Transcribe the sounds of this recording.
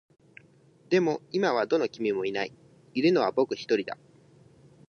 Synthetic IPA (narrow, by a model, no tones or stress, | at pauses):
d̪e̞mo̞imaβ̞ad̪o̞no̞kʲimʲimo̞inai | iɾɯno̞β̞abo̞kɯ̟çi̥t̪o̞ɾʲid̪a̰